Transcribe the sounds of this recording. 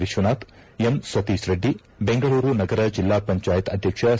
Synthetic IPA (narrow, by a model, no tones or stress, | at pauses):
ʋiʃʋɐnaːt̪ | emsʋɐt̪iːʃɾɐɖːi | beŋɡɐɭuːɾunɐɡɐɾɐd͡ʒilːaːpɐɲt͡ʃaːjɐt̪ɐd̪ʱjɐkʂɐ